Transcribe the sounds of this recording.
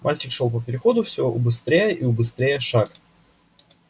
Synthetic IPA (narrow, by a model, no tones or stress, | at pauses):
mʔalʲt͡ɕɪkʂolˠpəpʲɪɾʲɪxo̞d̪ʊfsʲɪoʔʊbɨst̪ɾʲejəʔiʊbɨst̪ɾʲejəʂak